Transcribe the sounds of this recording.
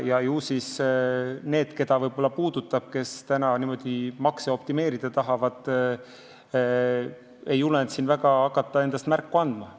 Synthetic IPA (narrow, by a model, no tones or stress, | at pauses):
jɑjuːsis | ne̞ːd̪̥ke̞d̪̥ɑvɤjb̥o̞lːɑpuːd̪̥ut̪ːˑɑb̥̚ke̞st̪ænɑnimo̞d̪̥imɑkseo̞p̚t̪ime̞ːɾid̪̥ɑt̪ɑɦɑvɑd̪̥ | ejulent̪sinvæɡ̥ɑɑkːˑɑt̪ˑːɑe̞nd̪̥ɑst̪mærkːuɑnd̪̥mɑ